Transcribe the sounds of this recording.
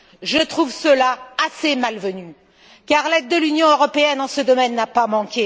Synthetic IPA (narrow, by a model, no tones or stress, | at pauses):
ʒət̪χuvsəlaasemalvəny | kaʁlɛd̪̚ːəlynjɔ̃øʁɔpeɛnɑ̃səd̪ɔmɛnːapamɑ̃kʲe